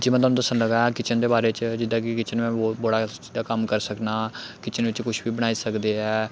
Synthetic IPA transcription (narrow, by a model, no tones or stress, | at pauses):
d͡ʒɪmɛ̃t̪̬oaːnũːd̪əsənləɡaːɛːkɪt͡ʃənd̪eːbaːɾeːt͡ʃd͡ʒɪd̪ãːkɪkɪt͡ʃənmɛ̃ːobəɽaːt͡ʃid̪aːkəmkəɾsəknaːkɪt͡ʃənʋɪt͡ʃkʊʃʰbiːbəɽ̃aːiːsəkd̪eːɛː